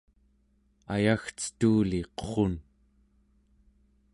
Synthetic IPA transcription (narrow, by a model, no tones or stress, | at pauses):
a̰jaxt͡sə̥t̪uːliqo̥χon